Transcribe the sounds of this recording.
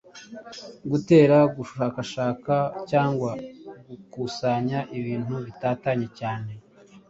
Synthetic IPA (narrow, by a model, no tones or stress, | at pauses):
ɡute̞ːɾaɡuʃuʃaːkaʃaːkacaːŋɡwaɡukusaɲaʔiβiːn̥huβitaːtaɲe̞caːne̞